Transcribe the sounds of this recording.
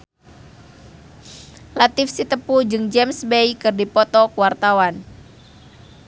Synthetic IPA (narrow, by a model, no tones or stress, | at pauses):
lat̪ɪfsit̪əpud͡ʒɨŋd͡ʒɛmsbejkɨrdipɔt̪ɔkuwart̪awan